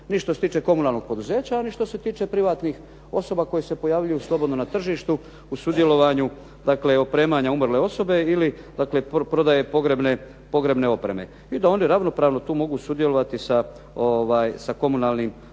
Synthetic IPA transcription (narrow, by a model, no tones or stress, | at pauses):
niʃt̪oset̪iːt͡ʃe̞ko̞munalˠno̞ɡ̚po̞d̪uze̞ːt͡ɕaoniʃt̪o̞se̞t̪iːt͡ʃe̞pɾiʋaːt̪nix | o̞so̞bako̞jese̞po̞jaːʋʎujuslˠo̞bo̞d̪nonat̪r̩ʒiːʃt̪u | usud̪je̞lo̞ʋaɲu | d̪̥akle̞opɾe̞ːmaɲaumrle̞o̞so̞be̞ili | d̪akle̞pɾo̞d̪aje̞po̞ɡɾebne | po̞ɡɾe̞bne̞o̞pɾe̞me̞̰ | id̪ao̞niɾaʋno̞pɾaːʋno̞t̪uːmo̞ɡusud̪je̞lo̞ʋat̪isa | oʋaːjsako̞munaːlnim